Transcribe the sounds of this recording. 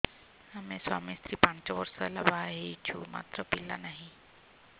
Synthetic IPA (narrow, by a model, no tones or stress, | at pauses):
həmẽswa̰ːmist̪ɾiːpãnt͡ʃəʋəɾsəlabaɦet͡ʃṵma̰ːt̪ɾəpilːa̰naɦĩ